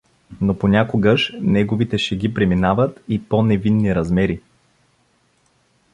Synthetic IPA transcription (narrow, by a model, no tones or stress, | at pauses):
noponʲakoɡəʃnɛɡovit̪ɛʃɛɡipɾɛminavət̪iponɛvinːiɾɐzmɛɾi